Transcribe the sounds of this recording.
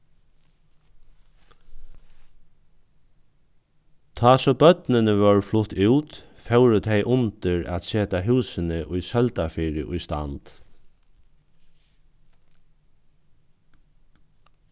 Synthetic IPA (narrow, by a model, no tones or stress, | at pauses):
t̪ʰɑːsɔbœt̪nɪnəʋœɹflʊt̪ʰʉːt̪ | fɛwɾʏt̪ʰɛjʔʊnt̪ɪɹæ̰t̪seːt̪aɦʉːsɪnəʔʊjsœlt̪afiːɾɪ̰ʔʊjst̪a̰nt̪